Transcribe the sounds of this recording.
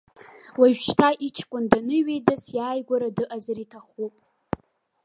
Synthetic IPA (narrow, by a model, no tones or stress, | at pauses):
waʒʃtʰaʔit͡ʃʰkʷʼʊndanɨɥejdasjaːjɡʷaɾadɨʔazaɾitʰaχupʼ